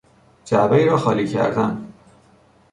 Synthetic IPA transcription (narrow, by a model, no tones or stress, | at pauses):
d͡ʒæbeiːɾɒːxɒːliːcʰæ̰ɾd̪æn